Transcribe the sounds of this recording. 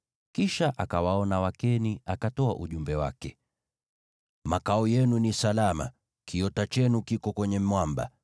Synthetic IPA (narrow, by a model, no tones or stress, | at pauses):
kiʃaʔakawaɔnawakɛniakatɔa̰ʔuʄumbɛwa̰kɛ | makaɔjɛnunisalama̰ | kʰiɔtat͡ʃɛnukikɔkwɛɲɛmwamba̰